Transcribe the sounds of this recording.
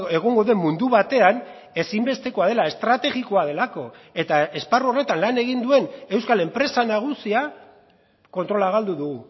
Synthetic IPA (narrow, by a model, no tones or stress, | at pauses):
e̞ɣ̞oŋɡo̞ðe̞mːund̪uβat̪e̞an | e̞simbe̞st̪e̞ko̞að̞e̞lae̞st̪ɾat̪e̞ɣiko̞að̞e̞lako̞e̞t̪ae̞sparuore̞t̪anlane̞ɣind̪ue̞ne̞wskale̞mpɾe̞sanaɣ̞usia | ko̞nt̪ɾo̞laɣ̞ald̪uðuɣu